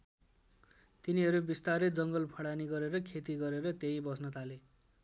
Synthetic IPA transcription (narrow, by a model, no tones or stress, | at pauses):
t̪iniɦʌɾubist̪aɾed͡zʌŋɡʌlpʰʌɽaniɡʌɾeɾʌkʰet̪iɡʌɾeɾʌt̪eibʌsnʌt̪ʰale